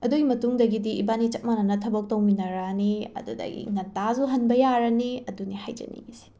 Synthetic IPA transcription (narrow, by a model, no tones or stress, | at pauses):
ɐduɡimɐtuŋdɐɡidiːbanit͡ʃɐt̚manɐnɐtʰɐbɐk̚tɐwminɐɾɐniɐ̰dudɐ̰ɡḭnɐtazuɦɐnbɐjaɾɐniɐdunihajd͡ʒɐ̰nḭŋisi̥